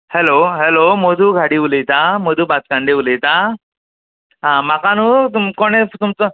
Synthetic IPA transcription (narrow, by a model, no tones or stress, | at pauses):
heloɦelomod̪ʱuːɡʱaɽiːʋuləjt̪amod̪uːbat͡skaɳɖeʋuləjt̪a | ɦãmakanuːt̪umkoɽ̃et̪umt͡sə